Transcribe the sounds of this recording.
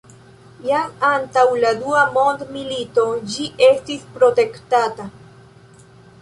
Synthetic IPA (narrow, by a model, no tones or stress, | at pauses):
jamantawladuamo̞ndmilito̞d͡ʒiʔe̞stispɾo̞te̞ktata